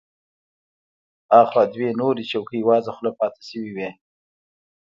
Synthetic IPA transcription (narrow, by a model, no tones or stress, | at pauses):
ɑxwɑd̪wenoɾit͡ʃawkəjwɑzaxlopɑt̪ɪ̥ʃəwiwe